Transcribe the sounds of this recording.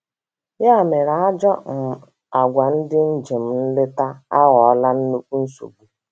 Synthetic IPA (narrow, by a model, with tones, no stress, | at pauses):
ja˦˨me˨ɾa˨a˦d͡ʒɔ˦m̩˨ | a˨ɡʷa˨n̩˦dɪ˦n̩˦d͡ʒe˨m̩˨n̩˦lɪ˦ta˦a˦ɣɔ˨˦la˦n̩˦nu˦ku˦n̩˦sṵ˨bu˨